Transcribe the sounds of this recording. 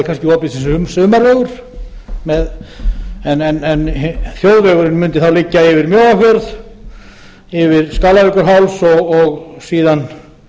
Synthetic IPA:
ɪkʰanscɪɔːp̪ɪsinsʏmsʏːmarœːɣʏɾ̥ | mɛð | ɛnɛnɛnθjowðvɛɣʏɾɪnmʏnt̪ɪθawlɪcːaɪvɪɾmjoːwakvɛɾð | ɪvɪɾskaːlalʏkʏɾɦawlsɔɣɔɣsiːðan

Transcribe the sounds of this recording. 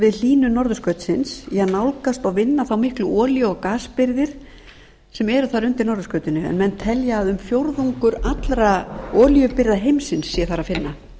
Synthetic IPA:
vɪðl̥iːnʏnɔɾðʏskœːɥt̪sɪnsɛaðnawlkast̪aɣvɪnːaθawmɪhklʏʔɔːljʏɔkaːspɪɾðɪɾ̥ | sɛmɛɾʏθaɾʏnt̪ɪɾnɔɾðʏskœːɥt̪ɪnʏɛ̰nmɛnt̪ʰɛljaːðʏmfjowɾðuŋkʏɾat̪lɾaɔːljʏpɪɾðaɦejmsɪnsːiɛθaɾafɪnːa

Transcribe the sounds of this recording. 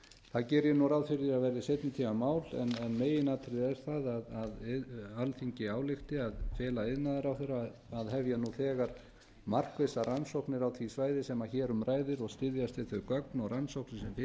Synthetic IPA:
θaðcɛːɾjɛnuɾawðfɪɾðɪaðvɛɾðɪsejt̪nʏt̪ʰiːmamaːwlɛ̰nɛnmeːjɪnat̪ʰɾɪðɛɾ̥θaðaðaðalθiɲcɪaːwlɪxt̪ɪaðfɛːlaɪðnaðaɾawθɛɾːaː | ðɦɛvjanuθɛːɣaɾ̥ | mar̥kvɪsaransowhknɪɾawt̪ʰvisvaːjðɪsɛmaçɛːɾʏmɾʔaːjðɪɾɔɣst̪ɪðjast̪ɪðθœkœknɔɣransowhknɪsɛmfɪ

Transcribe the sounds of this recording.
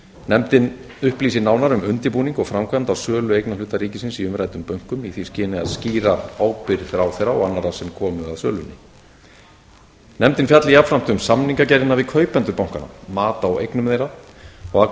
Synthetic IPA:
nɛmt̪ɪn | ʏhpliːsɪnaːwnaɾʏmʏnt̪ɪpuːniŋkɔɣfɾamkʰvamt̪awsœːlʏejknalʏːt̪aɾiːcɪsɪnsiʏmɾajt̪ʏmpœɥŋ̥kʏmiθiscɪːnɪa̰ðsciːɾaaːwpɪɾθɾawθejɾaɔɣanːaɾasɛmkʰɔːmʏaðsœ̰ːlʏnːɪ | nɛmt̪ɪnfjat̪lɪjapfɾam̥t̪ʏmsamniŋkacɛɾðɪnavɪkʰœːɥpɛnt̪ʏɾpawŋkana̰maːt̪awḛjknʏmðejɾa | ɔɣa

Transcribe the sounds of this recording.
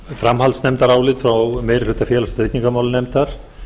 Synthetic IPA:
fɾamhalt̪snɛmt̪aɾaːwlɪt̪fɾawmejɾlʏt̪afjɛːlast̪ej̪niŋkamaːwlɪnɛmt̪aɾ̥

